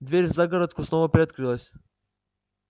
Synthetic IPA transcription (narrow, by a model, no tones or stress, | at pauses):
d̪vɛɾʲvzaɡaɾat̪kɔsnɔvapɾʲɛt̪kɾilˠasʲ